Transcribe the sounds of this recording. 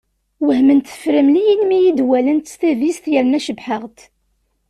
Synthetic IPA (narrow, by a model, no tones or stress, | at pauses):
wəhmənt̪ə̥fɾəmlijinmijid̪wælənt̪st̪ævisθjəɾnæʃəbħəʁt̪